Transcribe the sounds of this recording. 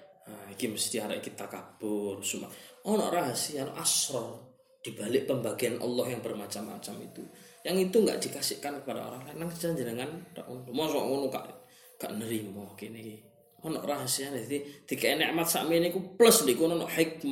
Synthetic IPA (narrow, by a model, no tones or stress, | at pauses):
aikiməst̪iaɾa̰ʔikit̪akab̥ʊrsuma̰ʔɔnɔ̰ʔraɦasiano̰ʔasɾɔ | d̪̥i̤b̥alɪʔpəmbaɡ̥ianʔɔ̰lːɔhjaŋbərmat͡ʃamːa̰t͡ʃamit̪ujaŋit̪uŋɡa̰ʔd̪̥i̤kasɪʔkankəpadao̰ɾaŋlanaŋt͡ʃaɲd͡ʒənəŋanra̰ʔundumɔsɔɔ̰ŋunuka̰ʔ | ka̰ʔnəɾimɔkiniki | ɔnɔ̰ʔraɦasiad̪at̪id̪̥i̤kainɛʔmat̪̚sa̰menikupləsndiʔkunɔnɔʔħik̚m